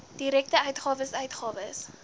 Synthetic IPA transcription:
d̥iɾɛk̚təœɥtχɑːvəsœɥtχɑːvəs

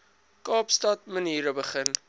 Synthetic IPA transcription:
kɑːpstɐtməniːɾəbəχən

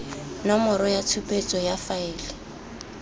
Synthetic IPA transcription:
namʊɾɔjat͡sʰupʼet͡sʼɔjafaɪːlɪ

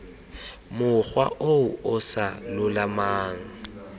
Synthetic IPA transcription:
mʊχwa̰ʔoʊʊsa̰lʊlamaːŋ̩

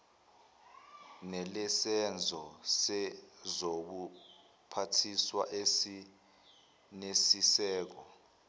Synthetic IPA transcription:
nɛlɛsɛnd͡zʱɔsɛzok̬u | pʰatʰiswa̰ʔesi | nesisɛːk̬ɔ

